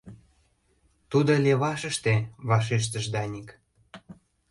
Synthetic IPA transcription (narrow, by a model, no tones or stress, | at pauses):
t̪ud̪ŏlʲeβɑʃə̆ʃt̪eβɑʃ̬eʃ̬t̪ə̆ʒd̪ɑnʲik